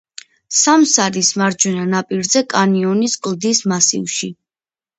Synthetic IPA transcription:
samsaɾismaɾd͡ʒwɛnanapʼiɾzɛkʼaniɔniskʼlˠd̪ismasḭvʃi

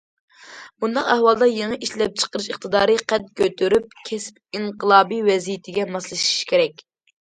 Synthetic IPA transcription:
bund̪ɑqæhwɑlˠd̪ɑjeŋɨʔiʃlɛp̚t͡ʃʰə̥qəɾɨʃiχt̪ʰɨd̪ɑːɾɨqʰɛt̪̚kʲøt̪ʰyɾyp̚kʲʰɛspiɴqəlˠɑːbiwɛzijɪt̪ʰɪɡʲɛmɑslˠɨʃi̥ʃkʲʰeɾɛkʲ

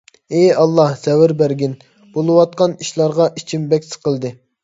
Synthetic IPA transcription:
eɑlˠːɑhsɛwɪɾbæɾɡʲin | b̥olˠɨwɑt̪̚qɑniʃlˠɑɾʁɑʔit͡ʃʰimbɛkʲsɨ̥qʰəlˠd̪ɨ

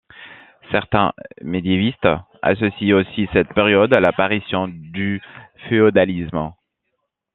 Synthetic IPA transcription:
sɛʁt̪ɛ̰̃med̪jevist̪ | a̰sɔsiosisɛt̪peʁjɔd̪alapaʁisjɔ̃d̪yfeod̪alism

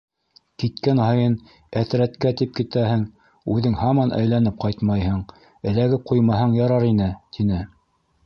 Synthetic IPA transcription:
kit̪kænhɑjɤn | æθɾæt̪kæt̪ip̚kit̪æhɘŋ | ʉðɘŋhɑmɑnʔæ̰jlænɘp̚qɑjt̪mɑjhɤɴ | ɘ̆læɡɘp̚qujmɑɦɤɴjɑɾɑɾinɘt̪ʰinɘ

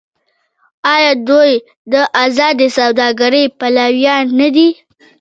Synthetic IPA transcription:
ɑjɑd̪oj | d̪əʔazɑd̪esawd̪ɑɡaɾəjpalawjɑnːad̪i

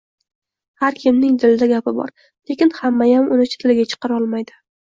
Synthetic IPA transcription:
haɾkʲʰɪmnɪŋd̪ɪlɪd̪aɡʲapɪbɒ̰ɾ | le̞kʲɪnhamːajamʊnɪt͡ʃʰɪ̥t̪ʰɪlɪɡʲat͡ʃʰɨ̥qʰɑɾɒlˠmajd̪ɪ

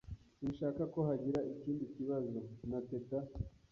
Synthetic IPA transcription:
niʃaːkako̞haɟiɾaʔiciːndiciβazo̞nateta

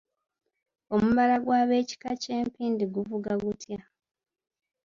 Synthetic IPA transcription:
o̞muβalaɡwaːβe̞ːci̥kace̞ːmpiːndiɡuvuɡaɡutja

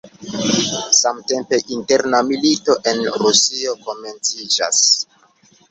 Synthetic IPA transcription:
samte̞mpe̞ʔinte̞ɾnamilito̞ʔe̞nɾusio̞ko̞me̞nt͡sid͡ʒa̰s

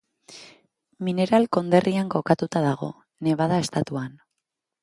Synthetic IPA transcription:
mine̞ɾalko̞nd̪e̞rʔiaŋko̞kat̪ut̪aðaɣ̞o̞̰ | ne̞βaðae̞st̪at̪uan

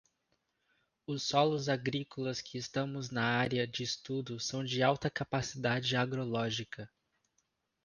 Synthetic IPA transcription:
ʊsːɔlʊzaɡɾikolɐskʰɪːst̪ɐ̃mʊznɐaɾjɐd͡ʒɪːst̪ud̪ʊsɐ̃w̃d͡ʒɪawt̪ɐkapasid̪ad͡ʒɪaɡɾolɔʒikɐ

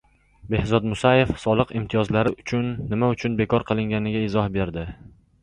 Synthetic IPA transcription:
be̞hzɒd̪mʊsaje̞fsɒlˠɨqɪmt̪ʰɪjɒzlaɾɪʔʊt͡ʃʰʊnːɪmaʊt͡ʃʰʊnbe̞kʰɒɾqʰɨlˠɪŋɡʲanɪɡʲaɪzɒhbe̞ɾd̪ɪ

